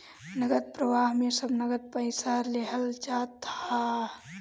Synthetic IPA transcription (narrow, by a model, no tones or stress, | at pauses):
nəɡət̪̚pɾəʋaːɦmesəbnəɡəd̪̚pəɪsəleɦəlt͡ʃat̪ʰa